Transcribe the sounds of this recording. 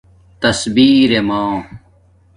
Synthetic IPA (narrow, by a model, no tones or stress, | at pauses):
t̪ɐsbiːɾemãː